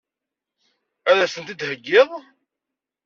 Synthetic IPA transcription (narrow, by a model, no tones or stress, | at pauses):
æðæsənt̪id̪həɡːɪðˤ